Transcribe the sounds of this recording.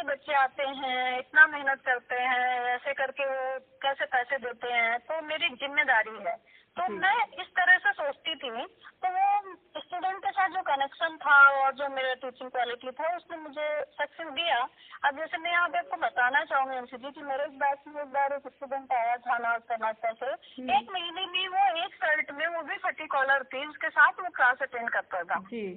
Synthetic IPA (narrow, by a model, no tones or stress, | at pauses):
ebɐtːʃeaːt̪eɦɛ̃ɪt̪namɛɦnət̪kɐɾt̪eɦɛ̃ɛːsekɐɾkeʋokɛːsepɛːsed̪eːt̪eɦɛ̃t̪oːmeːɾizɪmːed̪aːɾiɦɛː | t̪omɛ̃ɪst̪ɐɾəsesoːt͡ʃt̪it̪ʰit̪oʋoɪsʈuːɖɛ̃ɳʈ̚kesaːt̪̚ʰd͡ʒoːkɐnɛkʃənt̪ʰaɔːɾd͡ʒoːmeːɾaʈiːt͡ʃɪ̃ŋɡkwaːlɪʈit̪ʰaʊsnemʊd͡ʒʱesɐksɪsd̪ijaɐbd͡ʒɛːsemɛ̃aːpaːp̚kobɐt̪aːnat͡ʃaːɦũŋɡaʊnsed͡ʒikimeːɾeːk̚baːd̪kieːk̚baːɾeːkɪsʈuːɖə̃ɳʈaːjat̪ʰanaːzkɐɾnat̪ʰaseɾeːkmenibʱiʋoeːkselʈmẽʋobʱifʰɐʈːikɔːləɾt̪ʰid͡ʒɪskesaːt̪ʰʋokɾaːsɐʈẽːɳɖ̚kɐɾt̪at̪ʰaːd͡ʒiː